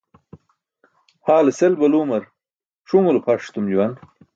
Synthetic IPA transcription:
haːleselbɐluːmɐɾ | ʂuŋulpʰaʂt̪umd͡ʑuwan

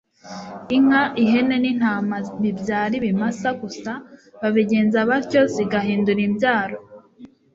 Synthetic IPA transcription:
iŋaʔiɦe̞ne̞nin̥aːmanibjaːɾiβimasaɡusaβaβiɟe̞ːnzaβaɾco̞ziɡaɦiːnduɾimbjaːɾo̞

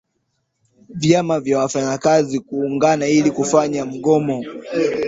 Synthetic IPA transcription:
vjamavjawafaɲakazikuːŋɡanailikufaɲam̩ɠɔmɔ

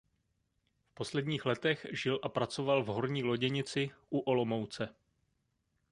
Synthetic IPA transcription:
fpo̞slɛdɲiːxlɛt̪ɛxʒɪlʔapɾat͡so̞valvɦo̞ɾɲiːlo̞ɟɛɲɪt͡sɪʔuʔolo̞mowt͡sɛ

